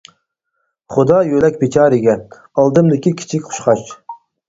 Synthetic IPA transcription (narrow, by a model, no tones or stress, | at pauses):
χʊd̪ɑjølɛk̚ʲbet͡ʃʰɑːɾɪɡʲɛ | ɑlˠd̪ɨmd̪ɪkʲʰikʲʰi̥t͡ʃʰikʲqʰʊ̥ʃqɑt͡ʃ